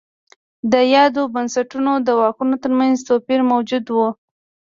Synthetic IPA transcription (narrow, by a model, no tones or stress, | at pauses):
d̪əjɑd̪obansaʈunod̪əwɑkunot̪əɾmanzt̪opiɾmawd͡ʒud̪wu